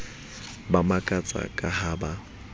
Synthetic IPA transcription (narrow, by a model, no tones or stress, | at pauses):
bamakʼat͡sʼa̰kʼahaːba